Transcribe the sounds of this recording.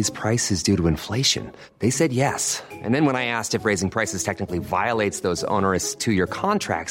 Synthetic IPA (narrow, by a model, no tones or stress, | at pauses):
z̥pʰɹ̥aɪsɨzdʉɾəɨ̃ɱfleɪʃɨ̰̃n | ðeɪsɛd̚jɛsʔɨ̃nðɨ̃nwə̃ñaɪæstɨfɹeɪzɪ̃ŋpʰɹ̥aɪsɨz̥tʰɛk̚nɨklivaɪəlˠeɪtsðoʊzõ̰ʊ̃nə˞ɨsstʰɨjə˞kʰɑ̃ntʰɹ̥æ̰k̚